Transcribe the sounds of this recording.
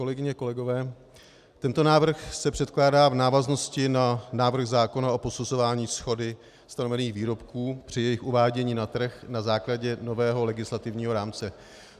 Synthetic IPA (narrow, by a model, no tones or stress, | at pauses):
kolɛɡɪɲɛko̞lɛɡo̞vɛː | t̪ɛnt̪o̞naːvr̩xsɛpr̝̥ɛt̪klaːdaːvnaːvazno̞scɪnanaːvr̩ɣzaːko̞naʔo̞po̞suzo̞vaːɲiːsxo̞dɪ | st̪ano̞vɛniːɣviːɾo̞pkuːpr̥ɪjɛjɪxʔuvaːɟɛɲiːnat̪r̩xnazaːklaɟɛno̞vɛːɦo̞lɛɡɪslat̪ɪvɲiːɦo̞ɾaːmt͡sɛ